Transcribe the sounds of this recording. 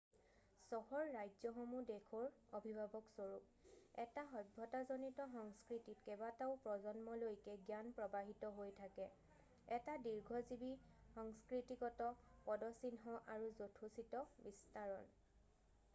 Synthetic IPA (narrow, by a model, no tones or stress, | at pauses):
sɔhɔɹːajd͡ʒzɔxɔmudekʰɔɹobʱibʱabɔksoɹuk̚ | ɛtaɦɔj̚bʱɔtazonitɔxɔŋskɹititkɛbataʊpɹɔzɔnmɔlojkɛɡjanpɹɔbaɦitɔɦojtʰakɛ | ɛtadiɹɡʱɔzibixɔŋskɹitikɔtɔpɔdɔsinɦɔʔaɹuzotʰusitɔbistaɹɔn